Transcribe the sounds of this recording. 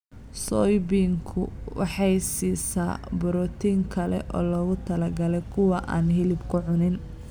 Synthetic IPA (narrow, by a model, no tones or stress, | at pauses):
sɔːjbiːŋkʰʊ̰wɑ̰ħɑjsiːsaːbʊɾɔːt̪ʰiːŋkʰɐlɛ̰ʔɔ̰ːlɔːɣʊt̪ʰɐlɐɡɐlɛjkʰʊwɑʔa̰ːnɦɪlɪbkʰʊʕʊnɪn